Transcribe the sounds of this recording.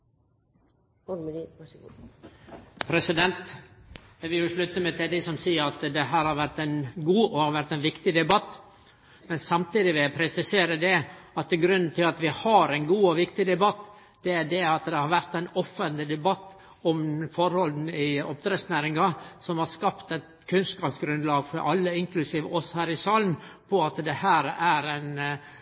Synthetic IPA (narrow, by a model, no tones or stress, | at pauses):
myɑɡu | pʰɾɛsɪd̪ɛnt̪ | ʋɪjʊʂɭʉt̪ːəmɛt̪ʰɪd̪ɪsɔmsiːəɾɑt̪d̪ɛɦæːɾhɑɾʋæɾt̪ɛɪnɡuːɔhɑɾʋæɾt̪ɛɪnʋɪkt̪ɪd̪ɛbɑt̪ː | mɛnsɑmt̪iːd̪ɪʋɪpʰɾɛsɪseːɾəd̪ɛɑt̪ːɪɡɾʉnːn̩t̪ʰɪlɑt̪ʋɪhɑɾɛɪnɡuːɔʋɪkt̪ɪd̪ɛbɑt̪ː | d̪̥ɛæd̪ɛɑt̪d̪ɛhɑɾʋæɾt̪ɛɪnɔfːənt̪lɪd̪ɛbɑt̪ː | ɔmfɔɾhɔld̪n̩ɪɔ̰pd̪ɾɛsnæːɾɪŋɑsɔmhɑɾskɑpt̪ɛt̪kʰʉnskɑːpsɡɾʉnd̪lɑːɡfɔɾʔɑlːəɪŋkʰlʉsiːʋəʔɔsɔhæːɾɪsɑːlnpʰɔɑt̪d̪ɛhæːɾæɾɛɪn